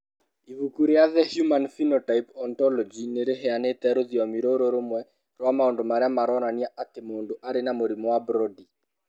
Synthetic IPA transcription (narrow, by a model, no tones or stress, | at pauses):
ivukuɾeaðɛhjumanfinotaipɔntɔlɔd͡ʒineɾeɦɛanet̪ɛɾoðiɔmiɾoɾoɾomwɛ | ɾwamaondomaɾɪamaɾɔnaniaʔatemondoʔaɾenamoɾimɔwabɾɔdi